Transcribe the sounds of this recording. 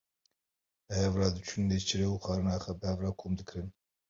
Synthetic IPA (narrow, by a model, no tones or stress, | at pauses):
bhɛvrɑːd̪ɨt͡ʃʰund̪eːt͡ʃʰiɾeːuːxɑːɾɨnɑːxɛbəhɛvrɑːkʰoːmd̪ɨkɾɨn